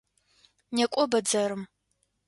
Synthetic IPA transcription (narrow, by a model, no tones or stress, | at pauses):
nekʷʼɔbɐd͡zɐɾɨm